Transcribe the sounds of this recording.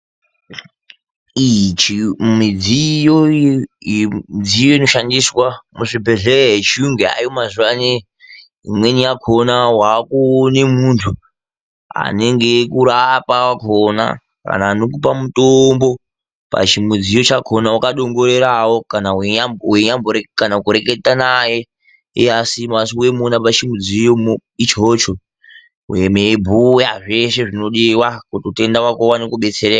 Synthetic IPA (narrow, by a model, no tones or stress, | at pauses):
it͡ʃimid͡zijo | id͡zijo̞ino̞ʃandiswamuʐibʱeɮereet͡ʃiuŋɡea̰jomaziwane | ḭmwe̞nijakʰonawaːkunemuntʰu | a̰ne̞ŋɡe̞kuɾapawakona̰ | ka̰naːnokupamutombo̞ | pa̰t͡ʃimud͡zijot͡ʃakʰonawakaɗo̞ŋɡo̞ɾe̞ɾawokanaaweɲamboekanaukuɾe̞ketanaje̞ | easimasiwe̞munapat͡ʃimud͡zijomit͡ʃot͡ʃo | wemebʱujaʐe̞ʃe̞ʐino̞ɗiwakutote̞ndawakowanokuɓe̞t͡serea